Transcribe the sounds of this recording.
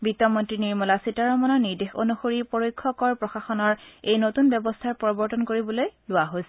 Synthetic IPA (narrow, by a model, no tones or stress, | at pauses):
bitːɔmɔntɹiniɹmɔlasitaɹɔmɔnɔniɹdexo̰nuxoɹipɔɹojkʰːɔkɔɹpɹɔxaxɔnɔɹejnotunbɔbɔstʰaɹpɔɹibɔɹtɔnkoɹibɔlojlʊwaɦojsɛ